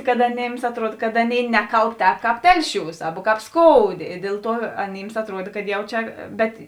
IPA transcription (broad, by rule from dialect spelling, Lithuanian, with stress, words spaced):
kɐt ɐˈnʲeːms ɐtˈruɔt kɐt ˈɑːˌnʲeːɪ ˈnʲæːkɐlˠp ˈtʲɛːp ˈkɑːp ˈtʲɛlʲˌʃʲuːs ˈɑːbɐ ˈkɑːp ˈskoːʊˌdʲeː ɪ ˈdʲeːlˠ ˌtuɔ ɐˈnʲiːms ɐtˈruɔt kɐt ˈjɛʊ ˈt͡ʃʲɛ ˈbʲɛt